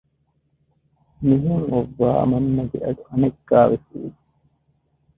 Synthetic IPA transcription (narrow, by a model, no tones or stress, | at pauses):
miɦuŋʔoʋːa̰ːmɐnːɐɡeʔɐd̪uʔɐnekːaːʋefṵːu